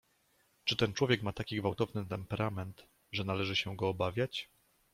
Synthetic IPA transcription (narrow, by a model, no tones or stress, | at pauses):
t͡ʂɘt̪ɛnt͡ʂwɔvjɛkmat̪akʲiɡvawt̪ɔvnɘt̪ɛmpɛɾʔamɛnt̪ | ʐɛnalɛʐɘɕɛɡɔːbavʲjat͡ɕ